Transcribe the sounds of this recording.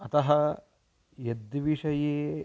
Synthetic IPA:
ɐt̪ɐɦɐ | jed̪ʋiʂɐjeː

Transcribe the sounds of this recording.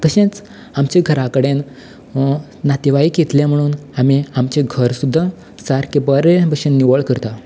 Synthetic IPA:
kəɕẽt͡s | amt͡ɕeɡʱəɾakəɽẽn | nat̪iʋaiket̪lẽm̤əɽ̃uːnamiamt͡ɕeɡʱəɾsud̪ʱːa | saɾkibəɾebəɕẽnːiʋəɭkəɾt̪a

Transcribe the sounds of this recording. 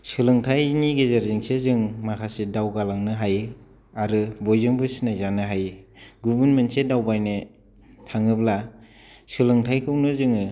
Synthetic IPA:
sɯlɯŋtʰajniɡezaɾziŋsezɯŋmakʰasedawɡalaŋnɯɦaj | aɾɯbojzɯŋbɯsinajzanɯɦajɡubunmɯnsedawbajnɯ | tʰaŋɯbla | sɯlɯŋtʰajkʰɯwnɯzɯŋɯ

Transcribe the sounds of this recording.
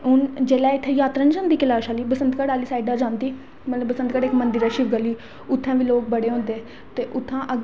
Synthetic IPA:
ɦʊnd͡ʒeːlɛːɪt̪ʰːẽːjaːt̪ɾaːnd͡ʒãːnd̪iːkɪlaːʃaːliːbəsənd̪kəɽaːliːsaːɪɖaːd͡ʒãːnd̪iː | mət̪ləbəsənd̪kəɽɪkmə̃nd̪iɾɛːʃiːʋɡəliː | ʊt̪ʰːãːʋiːloːk̚bəɽeːɦõːnd̪eː | t̪eːʔʊt̪ʰːãːʔəɡ

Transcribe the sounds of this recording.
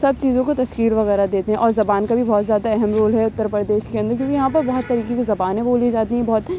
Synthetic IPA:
sɐb̚t͡ʃiːzõkot̪ɐʃkiːlʋɐɣɛːɾad̪eːt̪eɦɛ̃ʔɔːɾzɐbaːnkabʱibɔːt̪zjaːd̪aɛɦɛmɾoːlɦɛʊt̪ːəɾpɾəd̪eːʃkeɐ̃nd̪əɾkʲjõːkijɐɦãpɐɾbɔɦːt̪ːɐɾiːkekezɐbaːnɦɛ̃boːlied͡ʒaːt̪iɦɛ̃bɔːt̪

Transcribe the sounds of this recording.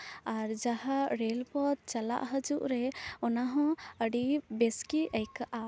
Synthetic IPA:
aɾd͡ʒaɦaɾɛlpɔd̪̚t͡ʃala̰ʔɦəd͡ʒuʔɾɛɔnaɦɔ̃əɖibɛskiəjkaʔa

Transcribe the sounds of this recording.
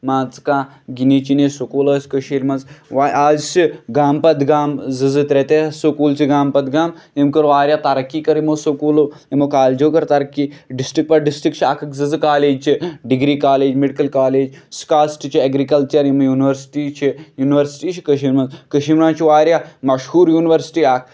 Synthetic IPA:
maːt͡skaː | ɡinit͡ʃinesokuːlɐːsʲkɐʃiːɾmɐnzʋaʔaːzsiɡaːmpɐd̪ɡaːmzɨzɨt̪ɾet̪esokuːlt͡ʃʰiɡaːmpɐd̪ɡaːmemkɐɾʋaːɾjaːt̪aɾɐkːiːkɐɾimosokuːl | emokaːld͡ʒoːkɐɾt̪ɐɾɐkːiɖisʈɾik̚pɐɖisʈɾikt͡ʃʰaːkʰɨkzɨzɨkaːleːd͡ʒt͡ʃʰiɖiɡɾiːkaːleːd͡ʒmeɖikɐlkaːleːd͡ʒskaːsʈit͡ʃʰiɐɡɾikɐlt͡ʃɐɾimɐjuːniʋɐɾsʈiːt͡ʃʰijuːniʋɐɾsʈiːt͡ʃʰi̥kɐʃiːɾmɐnzkəʃimɳãːt͡ʃʰiʋaːɾjaːmɐʃhuːɾjuːniʋɐɾsi̥ʈiːaːkʰ

